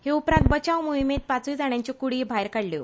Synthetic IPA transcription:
heupɾãnt̪̚bət͡ɕaʋmuɦimet̪̚pat͡suid͡zaɽ̃jaɲt͡ɕikuɽiːbʱajɾkaɽljo̰

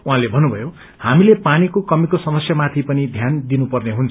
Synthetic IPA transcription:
uɦãlebʱʌnːubʱʌjo | hamilepanikokʌmikosʌmʌsjʌmat̪ʰipʌnid̪ʱjand̪inupʌrneɦunt͡sʰ

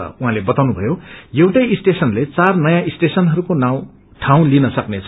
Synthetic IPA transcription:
uɦãlebʌt̪awnubʱʌjojʌwʈʌjisʈesʌnlet͡sarnʌjãisʈesʌnɦʌɾukonãw̃ | ʈʰãw̃linʌsʌknet͡sʰ

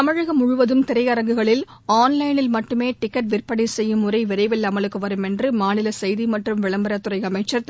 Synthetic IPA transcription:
t̪ɐmɐɻɐɣɐmʊɻʊʋɐðɯmt̪ɪɾɐjɐɾɐŋɡɯɣɐɭɪl | aːnlɐɪnɪlmɐʈːɯmeːʈɪkːɐʈ̚ʋɪrpɐɽɐɪsɛjːɯmʊrɐɪʋɪɾɐɪʋɛlɐmɐɭɯkːɯʋɐɾɯmɛndrɯmaːnɪlɐsɛjðimɐʈrɯmʋɪɭɐmbɐɾɐt̪ːʊrɐɪɐmɐɪt͡ʃːɐɾ

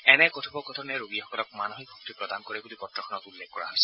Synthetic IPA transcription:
ɛnɛkɔtʰɔbɔkɔtʰɔnɛɹoɡijaxɔkɔlɔk̚manoxik̚bʱɔktipɹɔdankoɹɛɡudipɔtɹɔxʰɔnɔtulːekkɔɹa̰ɦojsɛ̥

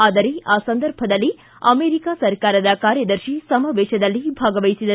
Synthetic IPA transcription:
aːd̪ɐɾeaːsɐnd̪ɐɾbʱɐd̪ɐlːi | ɐ̰meːɾikaːsɐɾkaːɾɐd̪ɐkaːɾjɐd̪ɐɾʃisɐmɐːʋeːʃɐd̪ɐlːibʱaːɡɐʋɐjisid̪ɐ

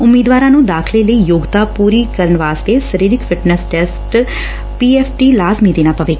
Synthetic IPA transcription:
ʊmiːd̪ʋaːɾãːnũːd̪aːkʰleːləiːjoːɡt̪aːpuːɾiːkəɾəɳʋaːst̪eːsəɾiːɾɪkfʰɪʈnɛsʈɛːsʈ | piːɛːpʰʈiːlaːzmiːd̪eːnãːpəʋeː

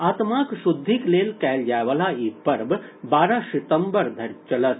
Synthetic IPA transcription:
aːt̪maːkʃud̪ʱːikleːlkɛjljaːʋɐlaːiːpɐɾb | baːɾaʃit̪ɐmbɐɾd̪ʱɐɾt͡ʃɐlɐs

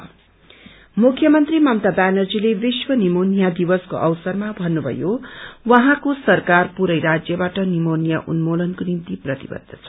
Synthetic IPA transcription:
mukʰjʌmʌnt̪rimʌmt̪abanʌrd͡zilebiswʌnimonijad̪ibʌsko̰ʔʌwsʌrmabʱʌnːubʱʌ̰jowʌɦãkosʌrkarpuɾʌjɾad͡zjʌbaʈʌnimonijaʔṵnmolʌnkonimt̪iprʌt̪ibʌ̰d̪ʱːʌt͡sʰʌ

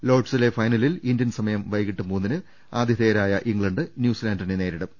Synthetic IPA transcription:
lo̞ːʈsile̞fɐjnɐlilindjɐnsɐmɐjɐmʋɐjɣiʈːɨmuːnːinɨ | aːd̪jɐðeːɐɾaːjɐʔiŋɡɭɐɳɖɨnjuːsilaːnɖɐrnene̞ːɾiɽɐm

